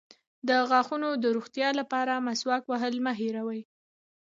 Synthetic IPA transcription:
d̪əɣɑxunod̪əɾoɣt̪jɑlapɑɾamaswɑkwaɦəlmaɦiɾawaj

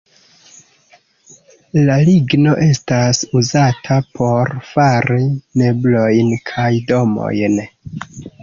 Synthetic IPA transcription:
laliɡno̞ʔe̞stasuzatʰapʰo̞ɾfaɾime̞blo̞jnkʰajdo̞mo̞̰jn

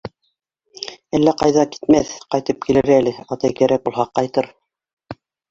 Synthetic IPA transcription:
ælːæqɑjðɑki̥t̪̚mæθqɑjt̪ɤp̚kilɘɾælɘɑt̪ɑjkæɾʔæk̚bulˠɦɑqːɑjt̪ɤɾ

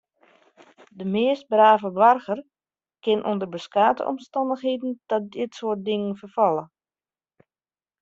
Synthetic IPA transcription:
dəmɪəst̚braːvəbʋarɣər | kɪnʔondərbəskaːtə̰ʔɔ̰mstɑndəxɦeːdn̩dɔt̚dɪtsoːrt̚dɪŋənfərfɔlˠə

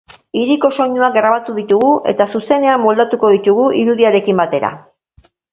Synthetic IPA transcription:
iɾiko̞so̞ɲuaɡɾaβ̞at̪uðit̪uɣuʔe̞̰t̪asuse̞ne̞amːo̞ld̪at̪uko̞ðit̪uɣuʔiɾuðiaɾe̞kimbat̪e̞ɾa̰

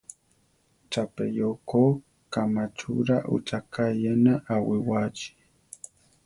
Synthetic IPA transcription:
t͡ʃapejoko | kamat͡ʃṵɾaʔṵt͡ʃakajanaʔawɪwat͡ʃi̥

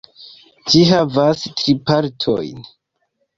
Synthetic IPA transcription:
d͡ʒiɦavastɾipaɾtʰo̰jn

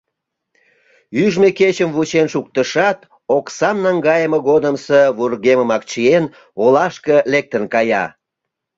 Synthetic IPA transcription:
yʒmeket͡ɕəmvut͡ɕenʃuk̚t̪əʃɑt̪ | oksɑmnɑŋɡɑjəməɣod̪əmseβurɣeməmɑk̚t͡ɕien | olɑʃkəlek̚t̪ənkɑjɑ̰

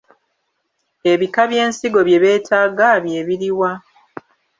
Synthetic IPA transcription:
e̞βikaβje̞ːnsiɡo̞βje̞βe̞ːtʰaːɡaβje̞βiɾiwa

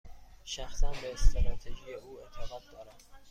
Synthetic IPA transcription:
ʃæxsænbest̪ɾɑːt̪ʰeʒijeʔuːent̪ʰeɣɒːd̪̚d̪ɒːɾæm

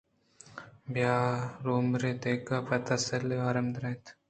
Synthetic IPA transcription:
bjaːɾoːmɾet̪eːkapɐt̪asɐleaːɾɐmd̪ɾɐ̃ːt̪

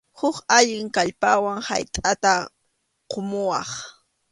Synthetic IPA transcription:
hʊkaʎɪŋkaʎpawaŋha̰jt̪ʼat̪a | qomʊwɑχ

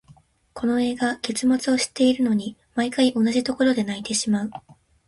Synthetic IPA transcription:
kʰo̞no̞e̞ːɡake̞t͡sɨmat͡sɨo̞ɕi̥t̪ːe̞iɾɯ̟no̞ɲ̟imaikaiʔo̞naʑit̪o̞ko̞ɾo̞d̪e̞nait̪e̞ɕimaɯ̟

